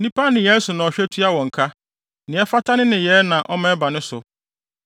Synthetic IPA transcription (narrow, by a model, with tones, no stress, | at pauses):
nĩ˦pʰa˦nɪ̃˨jɛ˦sʊ˨nã˨ɔ˨ɕᶣɛ˦tʰi˦a˦wɔ̃˨ŋ̩˨kʰa˦ | nɪ̃˨˦ɛ˦fa˦tʰa˦nɪ̃˦nɪ̃˨jɛ˦nã˨ʔɔ˦mɛ̃˦ba˨nʊ̃˦sʊ˨